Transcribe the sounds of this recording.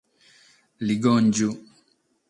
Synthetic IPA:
liɡɔnd͡ʒu

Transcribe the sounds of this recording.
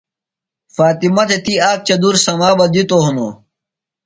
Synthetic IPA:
faːt̪imɐt̪ʰet̪iaːk̚t͡ɕɐd̪uɾsɐmaːbɐd̪it̪oɦuno

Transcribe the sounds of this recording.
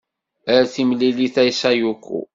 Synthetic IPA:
əɾθimlːiliθæjsæjukʷːṵ

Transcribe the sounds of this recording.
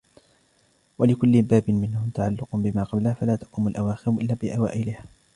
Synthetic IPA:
walɪkʊlːɪbaːbɪnmɪnhʊt̪aʕalːʊqʊbɪmaːqɑblahfalaːt̪ɑ̥quːmʊlʔawaːxɪɾʊʔɪlːaːbɪʔawa̰ːʔɪlɪhaː

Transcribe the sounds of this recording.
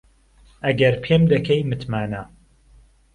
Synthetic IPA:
ɐɡɐɾpʰemd̪ɐkʰɐjmɨt̪maːna

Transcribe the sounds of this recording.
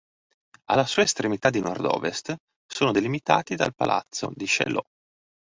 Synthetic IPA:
alːasuːaest̪ɾemit̪ad̪inɔrd̪ɔ̰ːvest̪ | soːnod̪elimit̪aːt̪id̪a̰lpa̰lʔa̰t̪sːod̪iʃɛ̰lɔ

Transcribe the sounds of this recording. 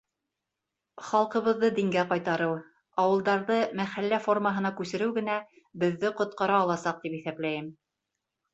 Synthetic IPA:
χɑlˠqɤ̆βɤ̆ðːɤd̪iŋɡæqɑjt̪ɑɾɤw | ɑwɤ̆lˠd̪ɑɾðɤmæχælːæfo̞rməɦɤ̆nɑkʉsɘ̆ɾɘwɡɘ̆n̪æ | bɘ̆ðːɘqŏt̪̚qɑɾɑːlˠɑsɑq̚t̪ipiθæplæjɘm

